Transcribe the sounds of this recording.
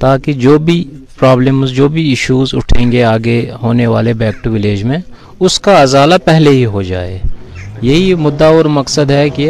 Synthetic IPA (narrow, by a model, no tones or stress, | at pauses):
t̪aːkid͡ʒoːbʱipɾaːbləmzd͡ʒoːbʱiɪʃuːzʊ̰ʈʰẽːŋɡeaːɡeɦoːneʋaːlebɛːk̚ʈuʋɪleːd͡ʒmẽ | ʊskaɐzaːlapɛɦleɦiɦod͡ʒa̰ːḛːjɐɦimʊd̪ːaoːɾmɐksəd̪ɦɛkɪ